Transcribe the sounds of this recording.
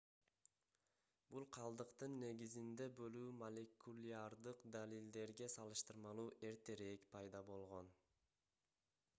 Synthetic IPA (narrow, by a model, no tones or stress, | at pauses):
bulˠqʰɑlˠd̪ɯqt̪ɯnːe̞ɡʲizind̪e̞bøluːmolʲekulʲiaɾd̪ɯqd̪alild̪e̞ɾɡʲe̞sɑlˠɯʃt̪ɯɾmɑlˠuːʔe̞ɾt̪e̞ɾekpʰɑjd̪ɑbo̞lˠʁo̞n